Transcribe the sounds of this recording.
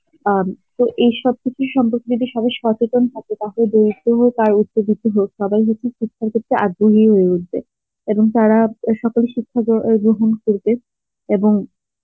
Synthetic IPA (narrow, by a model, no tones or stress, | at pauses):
at̪oʔejʃɔb̚kit͡ɕʰuʃɔmpoɾked͡ʑod̪iʃɔbajʃɔt͡ɕet̪ont̪ʰaket̪aɦoled̪oɾit̪ːoɦokaɾut̪̚ɕobit̪ːoɦokʃɔbajɦotːɕʰeʃikʰːaɾket̪ʰːeʔad̪boɦiɦoeutbe | eboŋt̪aɾaʃɔkoleʃikʰːaɡɾoɦonkoɾbe | eboŋ